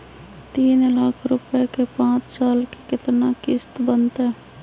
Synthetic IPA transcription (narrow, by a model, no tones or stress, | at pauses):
t̪iːnlaːkʰɾʊpekepãːt͡ʃsaːlkekɪt̪nakɪst̪bənt̪ɦɛː